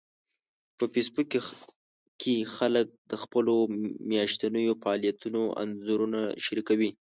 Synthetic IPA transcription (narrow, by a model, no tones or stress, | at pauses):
pəfesbukː | kexalək̚d̪əxpəlomjɑʃt̪anəjofaɑlijat̪unoʔa̰nzoɾunaʃaɾikawi